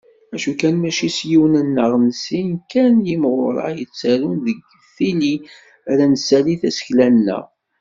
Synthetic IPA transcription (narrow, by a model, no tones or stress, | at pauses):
æʃukænmæʃisjiwnənːəʁnsinkænjimʁʊɾˤɑ̰jət͡sːæɾunðəɡ | fili | ɾænəsæliθæsə̥çlænːə̰ʁ